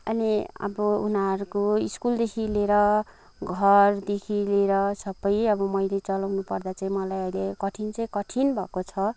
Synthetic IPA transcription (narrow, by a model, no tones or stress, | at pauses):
ʌniʌ̰bʌunaʌɾukoiskuld̪ekʰileɾʌ | ɡʱʌrd̪ekʰileɾʌsʌbʌjʌbʌmʌjlet͡sʌlawnupʌrd̪at͡saĩmʌlajʌjlekʌʈʰint͡saĩkʌʈʰinbʱʌkot͡sʰʌ